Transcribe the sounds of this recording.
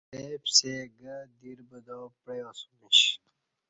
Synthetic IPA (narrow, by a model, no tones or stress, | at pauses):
eːbseɡəd̪iɾbəd̪oːpeosumiɕ